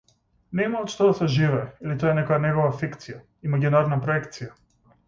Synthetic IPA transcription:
nɛmaɔːt̪ʃt̪ɔd̪asɛʒivɛːilit̪ɔɛnɛkɔjanɛɡɔvafikt̪sija | imaɡʲinaɾnapɾɔɛkt̪sija

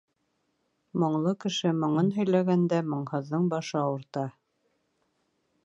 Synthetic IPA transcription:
mŏɴlˠɤkɘ̆ʃɘmŏɴɤnɦɵ̆jlæɡænd̪æmŏɴhɤ̆ðːɤɴbɑʃɤɑwɤ̆ɾt̪ɑ

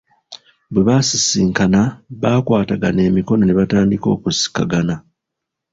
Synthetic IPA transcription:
bweβasisiːŋkanaβaːkwaːtaɡane̞ːmiko̞no̞ne̞βataːndiko̞̰ːkusi̥ka̰ɡana

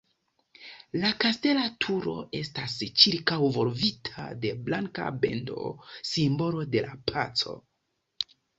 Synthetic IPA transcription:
lakaste̞latʰuɾo̞̰ʔe̞stast͡ʃiɾkawvo̞ɾvitʰa̰de̞blaŋka̰be̞̰ndo̞̰simbo̞lo̞de̞lapʰat͡so̞̰

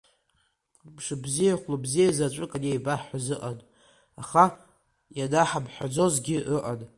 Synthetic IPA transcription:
bʰʂɨbzijaχʷlabzijazat͡ʃʷʼɨkʼanejbaħazɨʔan | aχa | jadaħabħʷᶣad͡zo̞zɡʲɪʔəʔan

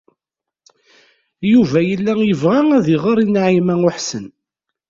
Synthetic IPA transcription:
juvæjəlːæjəvʁæŋæðiʁəɾˤinaʕimæŋʊħsən

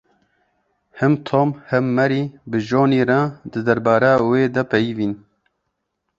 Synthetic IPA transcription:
hɨmt̪ʰoːmhɛmːɛɾiːbɨʒoːniːɾɑːd̪ɨd̪ɐɾbaːɾɛweːd̪ɛpɛjiːviːn

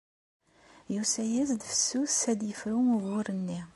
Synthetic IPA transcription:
jusæjæzd̪fə̥sːuθæd̪jəfɾumuvʊɾənːi

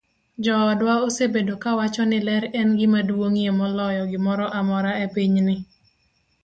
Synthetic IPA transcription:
d͡ʒɔːdwaosebedokawat͡ʃɔnɪlɛɾɛnɡɪmadwoŋiemɔlɔjɔɡɪmɔɾɔʔamɔɾaepiɲnɪ

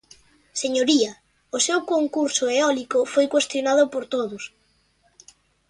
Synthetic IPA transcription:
seɲoɾiɐ | ʊsewkoŋkuɾsʊeɔlikʊfojkwest̪jonaðʊpoɾt̪oðʊs

